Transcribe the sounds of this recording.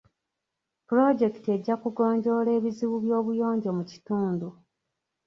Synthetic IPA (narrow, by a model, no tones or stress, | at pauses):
puɾo̞ɟe̞ktie̞ɟːakuɡo̞ːɲɟo̞le̞ːβiziβuβjo̞ːβujo̞ːɲɟo̞muci̥tuːndu